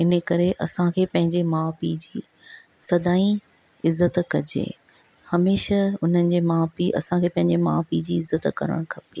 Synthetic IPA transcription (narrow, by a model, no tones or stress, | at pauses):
ɪnə̆kɐɾeʔɐ̰sãkʰeːpɐ̃ɦɪ̃ɲd͡ʑemãːpiːd͡ʑiː | sɐd̪aːĩ | ɪzːət̪kɐd͡ʑḛː | hɐmeːʃəʊn̤ənɪ̆d͡ʑeːmãːpiʔɐ̰sãkʰeːpɐ̃ɦɪ̃ɲd͡ʑemã̰ːpid͡ʑiːɪzːət̪kɐ̰ɾə̰ɽ̃kʰɐpi